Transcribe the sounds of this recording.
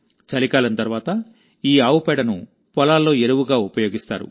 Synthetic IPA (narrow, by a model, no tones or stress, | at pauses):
t͡ʃɐlikaːlɐnt̪ɐɾʋaːt̪ɐ | iːaːwupɛɽɐnṵ | pɔlaːlːo̞ːeɾuwuɡaːupɐjo̞ːɡist̪a̰ːɾṵ